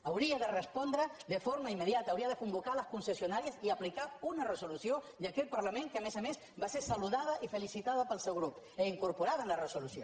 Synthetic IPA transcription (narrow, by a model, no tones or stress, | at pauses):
awɾiaðərespɔnd̪ɾəd̪əfoɾmaimːeðjat̪aːwɾiaðekumbukalɐskunsesjonaɾiasiaplikaunaresolusjo | d̪akɛt̪̚paɾlamẽŋkeamesames | baseɾsaluðaðɐʔifelisit̪aðɐpəlˠsewɣɾup | eiŋkuɾpuɾaðaenlaresolusjo